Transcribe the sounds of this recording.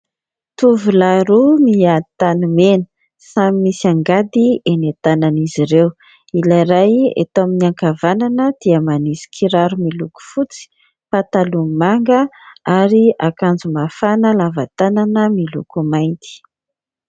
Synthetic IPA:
t̪uvulaɾumiat̪anumenə̥ | samimisiaŋɡad̪ienat̪ananiziɾew | ilaɾajḛt̪aminiaŋkavananəd̪̥iəmanisi̥kʰiɾaɾumiluku̥fut͡si̥ | pat̪alumaŋɡəaɾiakand͡zumafanəlavat̪ananəmilṵkumajnt̪i̥

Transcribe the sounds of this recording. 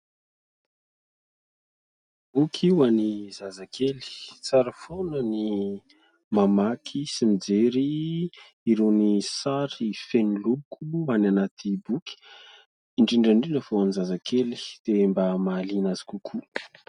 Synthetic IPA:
b̥ukʰiwanizazakʰeli̥t͡saɾəfonəni | mamakʰisimid͡zeɾiː | ɾunisaɾifenilukuananat̪ʰibuki̥ | iɳʈ͡ʂiɳɖ͡ʐaɳɖ͡ʐinəfoanizazakʰeli̥d̪̥embamalinazi̥kukʰu

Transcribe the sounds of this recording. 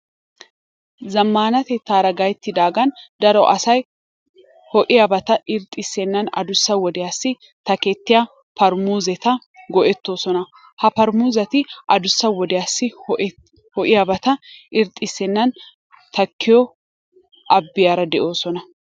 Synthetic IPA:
zɐmːaːnɐt̪ɛt̪ːaːɾɐɡɐjt̪ːɪd̪aːɡɐnd̪ɐɾɔʔɐsɐj | hɔʔɪjɐbɐt̪ɐʔɪɾt̪ʼɪsːɛnːɐnɐ̰d̪ʊsːɐwɔd̪ɪjasːɪ | t̪ɐkɛt̪ːɪja | pɐɾmuːzɛt̪ɐ | ɡɔʔɛt̪ːo̞ːsɔnɐ | hɐpɐɾmuːzɐt̪ɪʔɐd̪ʊsːɐwɔd̪ɪjasːɪ | hɔʔɪjɐbɐt̪ɐɪɾt̪ʼːɪsːɛnːɐn | t̪ɐkːɪjɔ | ʔɐbːɪjaɾɐd̪ɛʔo̞ːsɔnɐ

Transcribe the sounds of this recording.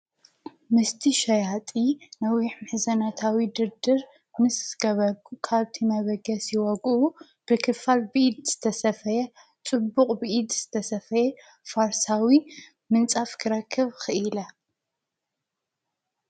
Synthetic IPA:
mɨst̪ʰiʃɐjat̪ʼinɐwiħmɨħzɐnat̪ʰawid̪ɨɾd̪ɨɾ | nɨsɡ̥ɐβɐɡukʰaβt̪ʰimɐβɐɡɐsjiwɔɡʔu | b̥ɨkʰɨfalbɨʔid̪z̥ɨt̪ʰɐsɐfɐjɛ | t͡sʼɨbːuqʼbɨʔid̪z̥ɨt̪ʰɐsɐfɐjɛ | faɾsawi | mɨnt͡sʼafkʰɨɾɐkʰːɨβxɨʔilɐ

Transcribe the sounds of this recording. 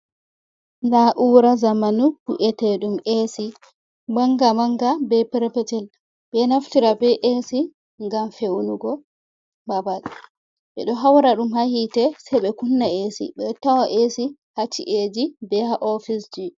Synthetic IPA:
naʔuːɾazamanukuʔɛtɛɗumesi | maŋɡamaŋɡabɛpɾpɛtɛl | ɓɛnaftiɾabɛʔesi | ŋɡamfewnuɡɔ | babal | ɓɛ̰ɗɔɦawɾaɗumhahitɛsɛɓɛkunːaesḭɓɛtːawaʔesihat͡ʃːḭʔed͡ʒibɛhaʔɔfisd͡ʒi

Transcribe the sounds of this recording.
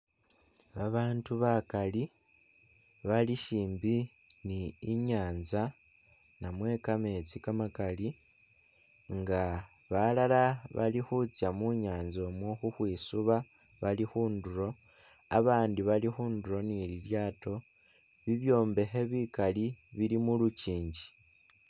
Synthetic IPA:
βaβaːntuβakali | βaliʃiːmbi | niːɲaːnza | namwe̞kame̞t͡sikamakali | ŋɡa | βalalaβa̰lixut͡sjamuɲaːnzo̞mwoxuxwiːsuβa | βalixuːnduɾo̞ | a̰βaːndiβalixuːnduɾo̞nililjaːto̞ | βiβjo̞ːmbe̞xe̞βikaliβilimuluciːɲɟi

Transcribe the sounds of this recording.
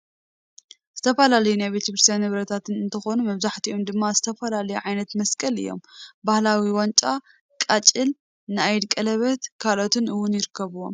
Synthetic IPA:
z̥ɨt̪ʰɐfɐlalɐjunajβet̪ɐkɾɨst̪ʰʲjanhɨβɾɐt̪ʰat̪ʰɨnɨnt̪ʰɐxo̞numɐβzaħt̪iʔo̞md̪ɨmːazɨt̪ʰɐfɐlalɐjuʕajnɐt̪mɐskʼɐlɨ̰jːo̞̰mbahlawiwant͡ʃʼa | kʼat͡ʃʼɨl | nɨajd̪kʼɐlɐβɐt̪kʰalo̞t̪ɨnʔɨwːʊnjɪɾɨkʰːɐβɨwo̰m

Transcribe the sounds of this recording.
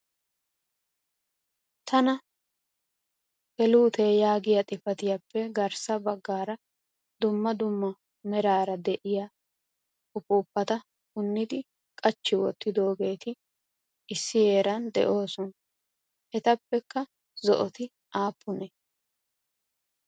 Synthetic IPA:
t̪ʰɐnɐ | hɛluːt̪ɛjaːɡɪjɐt̪ʼɪfɐt̪ɪjɐpːɛɡɐɾsɐbɐɡːaːɾɐ | d̪ʊmːɐd̪ʊmːɐ | mɛɾaːɾɐd̪ɛʔɪja | kʊpuːpːɐt̪ɐ | kʊnːɪd̪ɪ | kʼɐt͡ʃːɪwɔt̪ːɪd̪o̞ːɡe̞ːt̪ɪ | ɪsːɪje̞ːɾɐnd̪ɛ̰ʔo̞ːsɔn | ʔɛt̪ɐpːɛkːɐ | zɔ̰ʔɔt̪ɪ | ʔaːpːʊnɛ

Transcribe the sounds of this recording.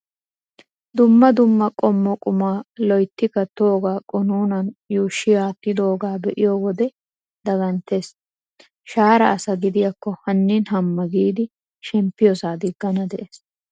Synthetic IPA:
d̪ʊmːɐd̪ʊmːɐkʼɔmːɔkʼʊmaːlɔjt̪ːɪkɐt̪ːoːɡaːkʼʊnuːnɐnjuːʃːɪjaːt̪ːɪd̪o̞ːɡaːbɛʔɪjɔwɔd̪ɛ | d̪̥ɐɡɐnt̪ːe̞ːs | ʃaːɾɐʔɐsɐɡɪd̪ɪjɐkːɔhɐnːinɦɐmːɐɡiːd̪ɪ | ʃɛmpːɪjɔsaːd̪ɪɡːɐnɐd̪ɛʔeːs

